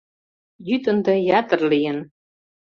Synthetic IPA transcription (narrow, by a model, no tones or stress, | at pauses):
jyt̪ənd̪ɑjɑt̪ərlijə̆n